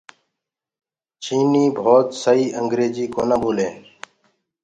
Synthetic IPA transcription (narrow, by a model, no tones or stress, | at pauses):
t͡ʃiːniːbʱoːt̪səiːʔəŋɡɾeːd͡ʒiːkoːnaːboːlẽː